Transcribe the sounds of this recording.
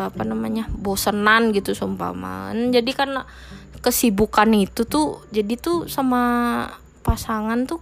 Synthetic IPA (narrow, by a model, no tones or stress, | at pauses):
apanamaɲabosənanɡit̪usumpa̰ma̰ə̰nd͡ʒadikarna | kəsibukanit̪ut̪uhd͡ʒadit̪usama | pasaŋant̪u